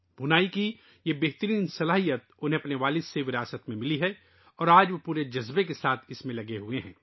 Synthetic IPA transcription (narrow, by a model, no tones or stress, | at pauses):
bʱʊnaːiki | jebɛɦt̪əɾiːnsɐlaːɦijət̪̚ʊnɦẽɐpneʋaːlɪseʋɪɾaːsət̪mẽmɪliɦɛ | ɔːɾaːd͡ʒʋɐpuːɾed͡ʒɐzbekesaːt̪ʰɪsmẽlɐɡeɦueɦɛ̰̃ː